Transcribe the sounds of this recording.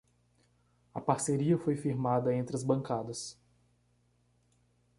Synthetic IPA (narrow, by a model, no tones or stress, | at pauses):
ɐpaɾseɾiɐfojfiɾmad̪ɐẽnt̪ɾɪɐzbɐ̃ŋkad̪ɐs